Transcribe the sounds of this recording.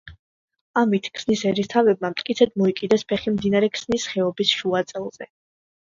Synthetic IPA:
amit̪ʰkʰsnisɛɾist̪ʰavɛb̚mamt̪ʼkʼit̪sʰɛd̪̚mɔikʼid̪ɛspʰɛχimd̪inaɾɛkʰsnisχɛɔbisʃuat̪sʼɛlˠzɛ

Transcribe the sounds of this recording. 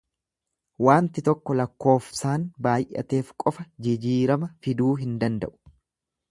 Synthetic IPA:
waːnt̪ɪt̪ɔkːɔlɐkːo̞ːfsaːnbaːjʔɐ̰t̪e̞ːfkʼɔfɐd͡ʒɪd͡ʒiːɾɐmɐfɪd̪uːɦɪnd̪ɐnd̪ɐ̰ʔʊ̥

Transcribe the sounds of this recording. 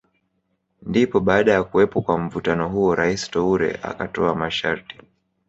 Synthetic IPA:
ndipɔɓaːɗajakuwɛpɔkwam̩vutanɔɦuɔɾaisi̥tɔuɾɛ̰ʔa̰katɔamaʃaɾti̥

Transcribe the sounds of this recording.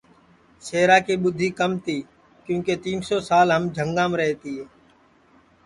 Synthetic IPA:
seːɾaːkiːɓʊd̪ʱiːkəmt̪ʰiː | kjũːkeːt̪iːnsoːsaːlɦəmd͡ʒʱəŋɡãːmɾɛɦt̪iːɦeː

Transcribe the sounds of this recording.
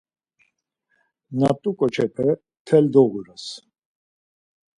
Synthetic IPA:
nat̪ʼukʼɔt͡ʃʰɛpʰɛ | t̪ʰɛld̪ɔɣuɾas

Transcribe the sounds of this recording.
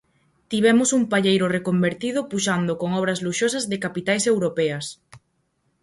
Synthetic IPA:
t̪iβ̞ɛmʊsumpaʎejɾorekombeɾt̪ið̞ʊpuʃand̪okoŋɔβ̞ɾɐzluʃosɐzðɪkapit̪ajsewɾopɛɐs

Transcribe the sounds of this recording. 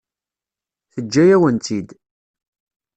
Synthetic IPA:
θəd͡ʒːæjæwənt̪ʰid̪

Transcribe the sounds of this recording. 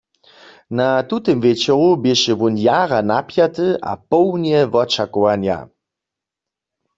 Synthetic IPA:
natutəmvɛt͡ʃɔʁubɪʃɛvunjaːʁanapjat̪ɨʔa̰pɔwnjɛvɔt͡ʃakɔʋanja̰

